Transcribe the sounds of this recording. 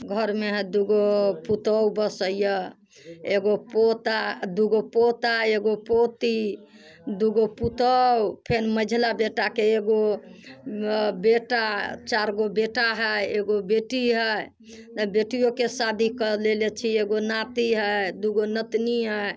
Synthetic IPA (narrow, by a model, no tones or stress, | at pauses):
ɡʱəɾmeɦd̪uɡoput̪əwbəsəjjə | eɡopot̪ad̪uɡopot̪aeɡopot̪i | d̪uɡoput̪əwpʰenməd͡ʒʱlabeʈakeeɡo | beʈat͡ʃaɾɡobeʈaɦəjeɡobeʈiɦəj̪ | beʈijokesad̪ʱikəlelet͡ʃʰieɡonat̪iɦəd̪uɡonət̪niɦə